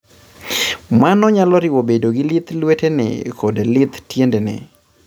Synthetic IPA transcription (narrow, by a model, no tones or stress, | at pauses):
manɔɲalɔɾɪwobedoɡɪlit̪lwetenɛ̰kodelɪt̪tjendenɛ̰